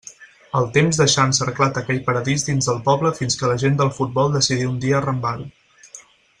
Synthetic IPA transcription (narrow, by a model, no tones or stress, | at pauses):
əlˠt̪emzðəʃansərklat̪əkɛʎpəɾəðizd̪inzðəlˠpɔβləfinskələʒend̪əlˠfut̪̚bɔlˠd̪əsiðiund̪iəːrəmbaɾu